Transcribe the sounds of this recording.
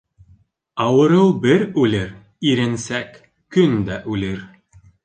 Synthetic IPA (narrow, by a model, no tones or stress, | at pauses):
ɑwɤ̆ɾɤwˠbɘɾʉlɘɾ | iɾɘ̆nsækː | ɵnd̪æʔʉlɘɾ